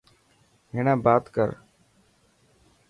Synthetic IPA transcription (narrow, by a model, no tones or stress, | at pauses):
ɦeːɳãːbaːt̪kəɾ